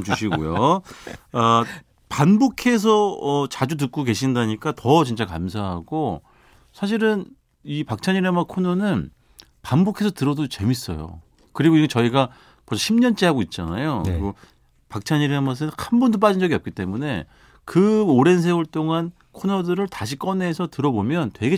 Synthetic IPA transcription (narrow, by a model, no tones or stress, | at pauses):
t͡ɕuɕʰiɡo̰jo | a | panbokʰe̞s̬ʰʌʌt͡ɕad͡ʑut̬ɯk̚k͈oke̞ɕʰindaɲik͈atʌt͡ɕint͡ɕ͈akamsʰaɦaɡo | sʰaɕ̬ʰiɾɯn | ipak̚t͡ɕʰaɲiɾemakʰonʌnɯn | panbokʰe̞sʰʌtɯɾʌdot͡ɕe̞mis͈ʌ̰jo̰ | kɯɾiɡoiɡet͡ɕʌiɡa | mʌd͡ʑʰʌɕʰimɲʌnt͡ɕ͈eɦaɡoit̚t͡ɕ͈a̰na̰joɡo | pak̚t͡ɕʰaɲiɾemas̬ʰɯnhanbundop̬͈ad͡ʑind͡ʑʌɡiʌp̚k͈it͈e̞mune̞ | kɯoɾe̞nsʰeuɭt͈oŋan | kʰonʌdɯɾɯɭtaɕʰik͈ʌne̞sʰʌtɯɾʌbomjʌntwe̞ɡe